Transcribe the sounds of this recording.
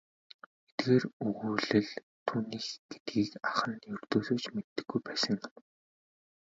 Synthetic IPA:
et̪̚ɡeːrɵɣuːɮɘ̆ɮ | t̪ʰuːniːxɡ̥et̪̚ɡiːkaχə̆njɵr̥t̪oːsoːt͡ɕmet̪ːɘ̆ɡːujpæːsə̆ŋ

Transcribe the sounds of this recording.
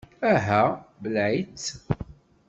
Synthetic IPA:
æɦæbəlʕit͡sː

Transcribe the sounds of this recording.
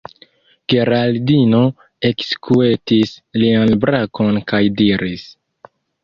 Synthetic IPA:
ɡ̥e̞ɾaldino̞ | e̞kskue̞tislianbɾako̞nkajdiɾis

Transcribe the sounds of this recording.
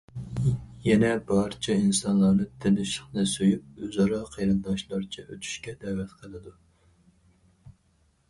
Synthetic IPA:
jɛnɛbɑɾt͡ʃʰiinsɑnlˠɑɾnɨt̪ʰɪlɪʃəχnɨsøjyp̚øzɑɾɑqʰeɾɨnd̪ɑʃlˠɑɾt͡ʃʰɛʔøt̪ʰy̥ʃkʲɛd̪ɛːvɛt̪qʰəlˠɨd̪u

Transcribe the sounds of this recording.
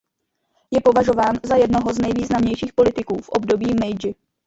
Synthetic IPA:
jɛpo̞vaʒo̞vaːnzajɛdno̞ɦo̞znɛjviːznamɲɛjʃiːxpo̞lɪt̪ɪkuːfʔo̞bdo̞biːmɛjd͡ʒɪ

